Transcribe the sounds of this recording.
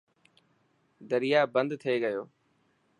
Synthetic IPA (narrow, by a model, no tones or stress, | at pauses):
d̪əɾɪjaːbə̃nd̪t̪ʰeːɡəjoː